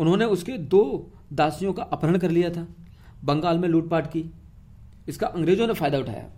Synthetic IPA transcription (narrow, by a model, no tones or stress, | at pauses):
ʊnɦõneʊsked̪oː | d̪aːsijõkaʔaːpəɾəɳ̃kɐɾlijat̪ʰaː | bɐ̃ŋɡaːlmẽluːʈ̚paːʈkiː | ɪskaʔɐ̃ŋɡɾeːd͡ʒõnefaːjd̪aʊʈʰa̰ːja̰ː